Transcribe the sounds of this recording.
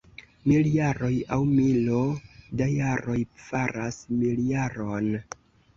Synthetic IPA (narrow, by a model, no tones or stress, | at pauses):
miljaɾo̞jawmilodajaɾo̞jfaɾasmiljaɾon